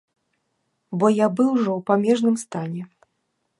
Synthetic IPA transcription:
bɔjabɨwʐɔwpamʲɛʐnɨmst̪anʲɛ

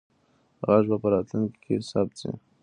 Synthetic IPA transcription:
ɣaʐbapəɾɑt̪luŋkkʰesapt͡sḭ

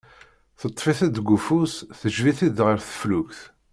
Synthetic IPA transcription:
θət̪ˤːfiθæd̪ɡufusθəʒviθid̪ʁəɾθə̥flukθ

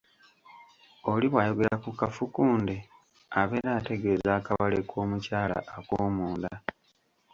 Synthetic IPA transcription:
oliβwaːjo̞ɡe̞lakukafukuːnde | aβe̞ɾaːte̞ɡe̞ːzaːkaβalekʰo̞ːmucaːla̰ʔːkoːmuːnda

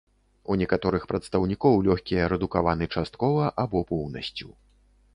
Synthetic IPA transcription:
unʲɛkat̪ɔɾɨxpɾɐt̪st̪ɐwnʲikɔwlʲɔxʲkʲijɐɾɛd̪ukavanɨt͡ʂast̪̚kɔvɐʔabɔpɔwnɐsʲt͡sʲu

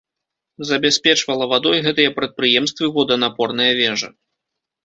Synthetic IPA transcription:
zɐbʲɛsʲpʲɛt͡ʂvɐlˠɐvad̪ɔjɣɛt̪ɨjɐpɾɐt̪̚pɾɨjɛmst̪vɨvɔd̪ɐnapɔrnɐjɐvʲɛʐɐ̰

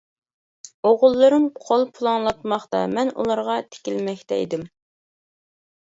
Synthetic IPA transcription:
oʁʊlˠːɨɾɨmqʰolˠpʰulˠɑŋlˠɑt̪mɑχt̪ɑ̰mɛnṵlˠɑɾʁɑt̪ʰe̥kʲilmɛkʲt̪ʰɛ̰ḭd̪ɪm

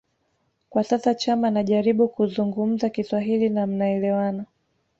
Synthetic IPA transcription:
kwasasat͡ʃamanaʄaɾiɓukuzuŋɡum̩zakiswaɦilinam̩naɛlɛwana

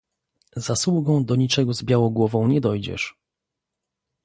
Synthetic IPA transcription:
zaswuɡɔ̃w̃d̪ɔɲit͡ʂɛɡɔzbʲjawɔ̃w̃ɡwɔvɔ̃w̃ɲɛd̪ɔjd͡ʑɛ̰ʂ

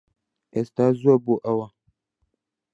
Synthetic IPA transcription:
ʔɛstazuaboʔawa

